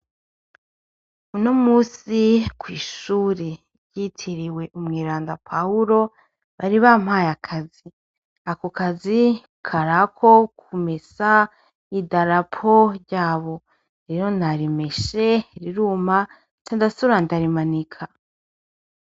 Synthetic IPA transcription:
unomuːsikwiːʃuːɾe | ɾɟitʰiɾiwe̞ʔumŋiːɾaːndapʰauɾo̞ | βaɾiβam̥hajakʰazi | akokazi | kʰaɾakʰo̞kʰumesa | idaɾapʰoɾɟaːβo̞ | ɾe̞ːɾo̞naɾime̞ʃe̞ɾiɾuːma | t͡ʃandasuɾandaɾimanikʰa

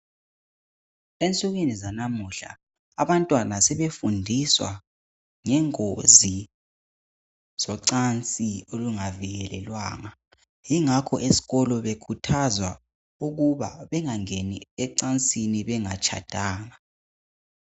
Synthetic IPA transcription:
ent͡sʼuɣ̬inizanamuɬa̰ː | βantʼwanasɛβefundʱiswa̰ | ŋɛŋozi | z̥ɔǀant͡sʼioluŋaviɣɛlɛlwaːŋa | jiŋakʰɔʔesi̥ɣɔlɔβekʰutʰazwa | uɣuβa̰βɛŋaŋeniɛǀant͡sʼiniβɛŋat͡ʃʰa̰d̥ʱaːŋa

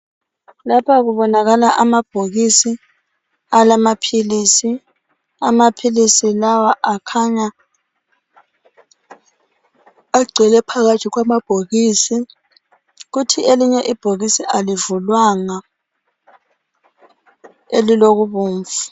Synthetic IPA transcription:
lapʰaɣuβɔnaɣalaʔamab̥ʱoɣisi | alamapʰilisi | amapʰilisilawaʔakʰaɲa | aɡ͡ǀʱɛlɛpʰaɣḁtʰiɣwamab̥ʱoɣisi | ɣutʰieliɲɛʔib̥ʱoɣisiʔalivulwaŋa | eliloɣuβuːɱfu

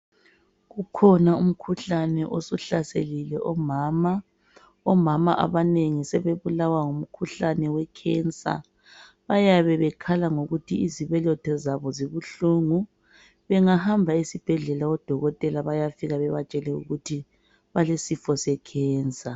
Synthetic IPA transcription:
ɣukʰɔnaum̩kʰuɬanɛʔosuɬasḛlilɛʔɔmaːma | ɔmama̰ʔa̰βaneŋisɛβeβulawaŋum̩kʰuɬanɛwɛkʰɛnt͡sʼa̰ | βajaβɛβɛkʰalaŋoɣutʰiiziβɛlɔtʰɔzaβɔziβuɬuŋu | βɛŋahambʱaisib̥ʱɛɮɛlaɔd̥ʱɔɣɔtʼɛlaβajafiɣaβɛβat͡ʃʼɛlɛṵɣutʰi | βalesifɔsɛkʰɛːnt͡sʼa

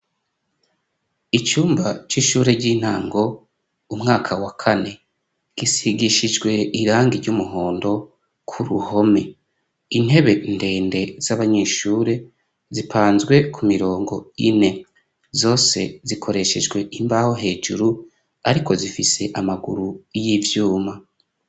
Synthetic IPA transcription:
it͡ʃuːmbat͡ʃiːʃuːɾe̞ɾɟiːn̥haːŋɡo̞ | umŋaːkʰawakʰane̞ | ɡ̥isiɡiʃid͡ʒɡwe̞iɾaːŋɡiɾɟumuɦoːndo̞ | kʰuɾuho̞me̞ | in̥he̞βe̞nde̞ːnde̞z̥aβaɲe̞ːʃuːɾe̞ | zipʰaːnzɡwe̞kʰumiɾo̞ːŋɡo̞ḭne̞ | zo̞ːse̞zikʰo̞ɾe̞ʃe̞d͡ʒɡwe̞ʔimbaho̞ɦe̞ːd͡ʒuɾu | aɾikʰo̞zifise̞ʔamaɡṵɾuijivjuːma

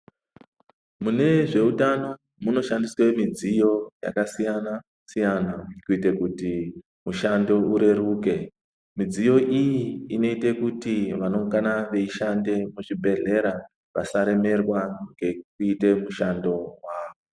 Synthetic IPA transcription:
mune̞ʐe̞utano̞ | muno̞ʃandiswe̞mid͡zijo̞ja̰kasijana | sijanakuitekuti | muʃando̞uɾe̞ɾuːke̞ | mid͡zijo̞ʔijiːno̞ite̞kutiʋano̞ŋɡanaʋe̞iʃande̞muʐibʱe̞ɮe̞ɾa | ʋa̰saɾe̞me̞rwaŋɡe̞kuite̞muʃando̞waːʋo

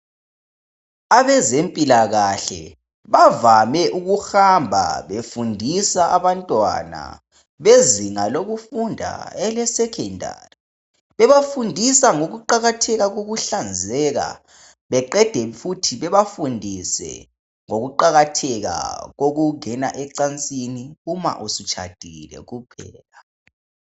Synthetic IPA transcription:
aβɛzempʼilaɣaɬɛ̰ | βavamɛʔuɣuxambʱa̰βefundʱisaʔaβantʼwa̰na̰ | βeziŋaloɣufundʱa̰ɛlɛsɛkʰɛndʱa̰ri | βɛβafundʱisaŋoɣuǃaɣatʰɛɣaɣoɣuɬand͡zʱɛɣa̰ | βɛǃɛd̥ʱɛfutʰiβɛβafundʱisɛ̰ | ŋoɣuǃaɣatʰɛɣa̰ɣoɣuŋɛnaʔɛǀant͡sʼiniuma̰ʔusit͡ʃʰʼa̰d̥ʱilɛ̰ɣupʰɛ̰ːla

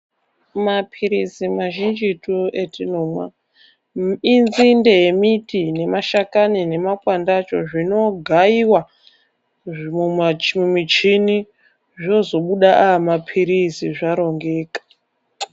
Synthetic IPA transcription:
mapʰiɾisimaʒind͡ʒituetʰinomwa̰ | inzinde̞jemitine̞maʃakanine̞makwandat͡ʃo̞̰ʐino̞ɡʱaiwa | muamumit͡ʃini | ʐo̞zo̞ɓuɗaʔaːmapʰiɾisiʐaɾo̞ŋɡeːkḁ

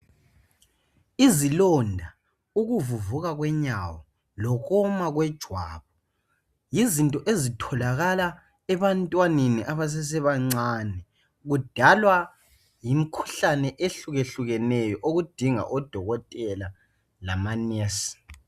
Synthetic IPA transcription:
izilɔndʱa | uɣuvuvuɣaɣwɛɲawɔ | lɔɣɔmaɣwɛd̥ʒ̥ʱwaːβɔ | jizintʼɔʔezitʰɔlaɣala | ɛβantʼwaneniʔaβas̬ɛs̬ɛβaŋ͡ǀanɛ | ɣud̥ʱalwa | jimikʰu̥ɬanɛʔeɬuɣeɬuɣɛnɛjɔʔoɣud̥ʱiŋa̰ʔɔd̥ʱɔɣɔtʼɛla | lamanɛsi̥

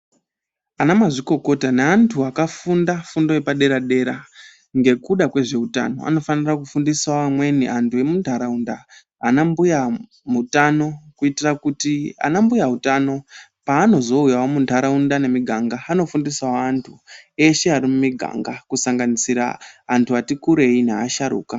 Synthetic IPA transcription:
anamaʐiko̞ko̞taneantʰuakafundafundojepaɗe̞ɾaɗe̞ɾa | ŋɡe̞kuɗakwe̞ʐe̞uta̰no̞̰a̰no̞fanirakufundisawamwe̞niʔantʰue̞muntaɾaundaː | nambuja | mutano̞kuitirakutia̰nambujautano̞paːno̞zo̞ujawomuntaɾaundane̞miɡʱaŋɡaːno̞fundisawaːntʰue̞ʃeaɾimumiɡʱa̰ŋɡakusaŋɡanisiɾa̰ːntʰuatikuɾe̞ina̰ːʃaɾṵːka

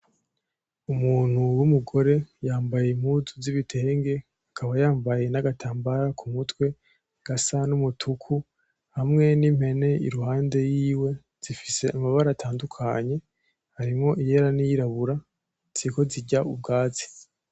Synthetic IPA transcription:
umuːn̥huwumuɡo̞ɾe̞jaːmbajem̥huzuziβitʰe̞ːŋɡe̞ | akʰaβajaːmbaje̞naɡatʰaːmbaɾakʰumutwe̞ | ɡ̥asanumutʰukʰu | hamŋe̞nim̥he̞ne̞ḭɾuhaːnde̞jiːwe̞ | z̥ifise̞amaβaɾatʰaːndukʰaɲe̞ | haɾimŋo̞ʔijeɾanijiɾaβuɾa | z̥iiko̞ziɟaub̚ɡaːzi̥

